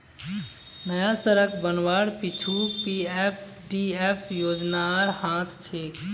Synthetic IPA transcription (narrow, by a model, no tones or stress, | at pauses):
nəjasəɾəkʰbənʋaːɽpit͡ʃʰupiːep | ɖiːeːpʰjoːd͡ʒnaɾhãːt̪ʰt͡ʃʰeː